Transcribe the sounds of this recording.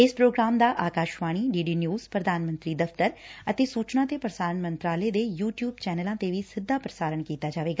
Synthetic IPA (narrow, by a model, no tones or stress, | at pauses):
ɪspɾoːɡɾaːmd̪aːʔaːkaːʃʋaːɽ̃iːɖiːɖiːnjuːz̥pɾəd̪aːnmə̃nt̪ɾiːd̪əft̪əɾət̪eːsuːt͡ʃnãːt̪eːpɾəsaːɾəɳmə̃nt̪ɾaːleːd̪eːjuːʈjuːbt͡ʃɛːnəlãːt̪eːʋiːsɪd̪ːaːpɾəsaːɾəɳkiːt̪aːd͡ʒaːʋeːɡaː